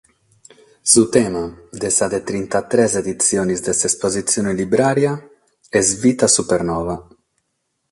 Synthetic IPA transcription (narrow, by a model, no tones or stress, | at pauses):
sut̪ɛːmad̪esad̪et̪ɾint̪at̪ɾɛzed̪it̪sːjoːnizd̪esespozit̪sːjoːnelibɾaːɾja | ɛsvit̪asupeɾnɔːva